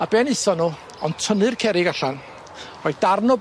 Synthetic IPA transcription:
abɛnɨsɔnuː | ɔntʰənɨrkʰɛɾɪɡaɬan | rɔjd̥arnɔ

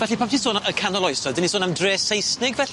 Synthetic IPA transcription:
vɛɬipʰaptʰisoːnəkʰanɔlˠɔjsɔdɪnisoːnamdreːsejsnɪɡvɛɬ

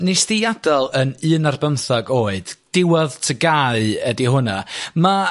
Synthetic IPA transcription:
nesðɪjadɔlˠənɨːnarbənθɔɡoːɨd̥d̥ɪwɔðtʰəɡaɨədiɦʊnama

